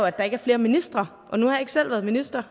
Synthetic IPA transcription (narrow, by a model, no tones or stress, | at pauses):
oæd̥ɑ̈e̝ɡ̥æɐfle̝ːɐminisd̥ʁɐ | ʔɒ̽nuhɑ̈jɑe̝ɡ̥sel̰ʋæːɐðˠminisd̥ʁɐ